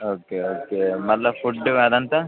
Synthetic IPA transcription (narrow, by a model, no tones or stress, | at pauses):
oːkeoːkemɐllɐfʰuɖːɐd̪ɐnt̪ɐ